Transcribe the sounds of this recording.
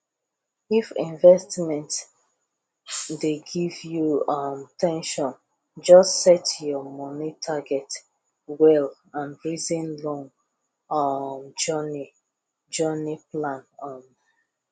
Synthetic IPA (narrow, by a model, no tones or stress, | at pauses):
ifḭ̃nvɛstmɛ̃nt | deɡivjuʌmtʰɛ̃nʃɔ̃n | d͡ʒɔstsɛtjɔmɔnitʰaɡɛt | wɛl | ãnɹizĩnlɔ̃ŋ | md͡ʒɔni | d͡ʒɜniplãnʌm